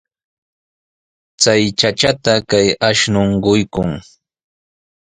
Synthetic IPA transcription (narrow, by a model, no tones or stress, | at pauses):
t͡sajt͡ʃat͡ʃat̪akajaʃnoɴɢʊjkʊŋ